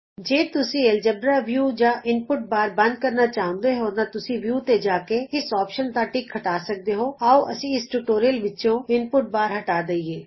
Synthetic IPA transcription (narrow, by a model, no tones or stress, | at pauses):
d͡ʒeːt̪ʊsĩeld͡ʒəbɾɾaʋjuːd͡ʒaʔɪnpʊʈ̚baːɾbɐ̃nd̪̚kɐɾnat͡ʃaːɦõnd̪eɦoːnat̪ʊsĩʋjuːt̪ed͡ʒaːkeɪsɔːpʃənt̪aʈiːkʰːɐʈaːsək̚d̪eɦoːaoʔɐsĩɪsʈuːʈoːɾijəlʋɪt͡ʃõɪnpʊʈ̚baːɾɦɐʈaːd̪eieː